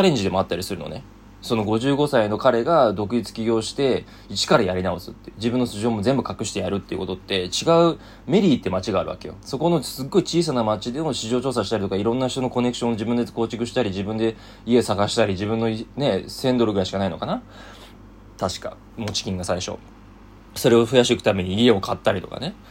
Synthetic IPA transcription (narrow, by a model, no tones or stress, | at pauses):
t͡ɕaɾẽ̞ɲ̟d͡ʑid̪e̞moat̪ːaɾʲisɨɾɯ̟no̞̰ne̞ | sono̞ɡo̞ʑɨːɡo̞saino̞kaɾe̞ɡad̪o̞kɯ̟it͡sɨ̥kʲiɡʲo̞ːɕi̥t̪e̞ | it͡ɕi̥kaɾajaɾʲinao̞sɨ̥t̪ːed͡ʑibɯ̃nːoɕiʑo̞ːmo̞zẽ̞mbɯ̟kakɯ̟ɕi̥t̪e̞jaɾɯ̟t̪ːe̞iɯ̟̰ko̞t̪o̞t̪ːe̞t͡ɕiɡaɯ̟ | me̞ɾʲiːt̪ːemat͡ɕiɡaːɾɯ̟βa̰ke̞jo̰so̞ko̞no̞sɨɡo̞it͡ɕiːs̬anamat͡ɕid̪e̞moɕiʑo̞ːt͡ɕo̞ːs̬aɕi̥t̪aɾʲit̪okaiɾõ̞nːaçi̥t̪o̞no̞ko̞nekɯ̟ɕõnʑibɯ̃nd̪ekoːt͡ɕikɯ̟ɕi̥t̪aɾʲiʑibɯ̟̃nd̪e̞ | ie̞saɡaɕi̥t̪aɾʲiʑibɯ̃nːo̞ne̞sẽ̞nd̪o̞ɾɯ̟ɡɯɾaiɕi̥kanaino̞kana | t̪aɕi̥ka̰ | mo̞t͡ɕi̥kʲĩŋɡasaiɕo̞̰ | so̞ɾe̞o̞ɸɯ̟jaɕikɯ̟t̪ame̞ɲ̟iːe̞o̞kʰat̪ːaɾʲit̪o̞ka̰ne̞